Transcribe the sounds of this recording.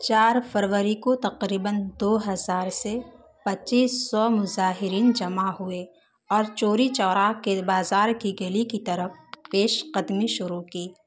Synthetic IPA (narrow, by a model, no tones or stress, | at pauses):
t͡ʃaːɾfəɾwəɾikot̪ɐqɾiːbənd̪oːɦɐzaːɾse | pɐtːt͡ʃiːsːɔmʊzaːɦɪɾiːnd͡ʒɐmaɦʊe | ɔːɾt͡ʃoːɾit͡ʃɔːɾaːkebaːzaːɾkiɡelikit̪ɐɾəfpeːʃqəd̪miʃʊɾukiː